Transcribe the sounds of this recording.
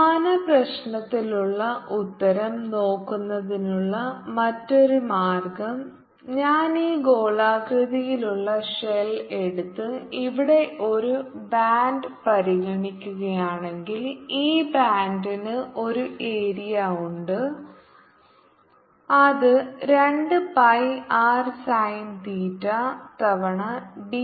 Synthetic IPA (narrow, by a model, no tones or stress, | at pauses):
mɐnɐprɐɕnɐt̪ːiluɭːɐʔut̪ːɐɾɐmno̞ːkːunːɐðinuɭːɐmɐtːo̞ɾumaːrɡɐm | ɲaːniːɡo̞ːɭaːkrɨðijiluɭːɐɕele̞ɽut̪ːɨiʋiɽe̞ʔo̞ɾubaːɳɖɨpɐɾiɣɐɳikʲːuɣɐjaːɳe̞ŋɡiliːbaːndinɨʔo̞ɾuʔe̞ːɾijɐuɳɖɨ | ɐðɨɾe̞ɳɖɨpɐjaːrsɐjnt̪iːtːɐt̪ɐʋɐɳɐbi